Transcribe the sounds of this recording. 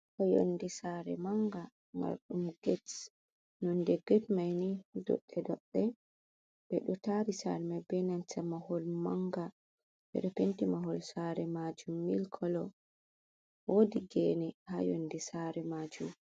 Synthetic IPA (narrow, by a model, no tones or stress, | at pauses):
kɔjo̰ndisaɾɛ̰maŋɡa | ma̰ɾɗumɡɛt | nɔndɛɡɛtmajnidɔ̰ɗːɛdɔɗːɛ | b̥ɛɗɔtaɾisa̰ɾmabɛnant͡ʃamahɔlmaŋɡa | b̥ɛ̰ɗɔpentimaɦɔlsaɾɛmad͡ʒumːilkʰɔlɔ | wodiɡɛnɛhajondɛsaɾɛmad͡ʒum